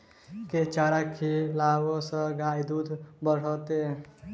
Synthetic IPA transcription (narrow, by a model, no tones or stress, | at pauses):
ket͡ʃaɾakʰilawosə̃ɡajd̪ud̪ʱbəɽ̤ɔt̪e